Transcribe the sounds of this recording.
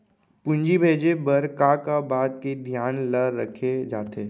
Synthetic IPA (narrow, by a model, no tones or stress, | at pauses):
pʊ̃nd͡ʒibʱeːd͡ʒebɐɾkakabaːt̪ked̪ʱjaːnləːəkʰed͡ʒaːt̪eː